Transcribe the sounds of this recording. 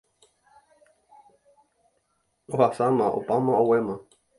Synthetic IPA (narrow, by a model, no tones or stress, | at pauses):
ohasamãʔo̰pãmãowemã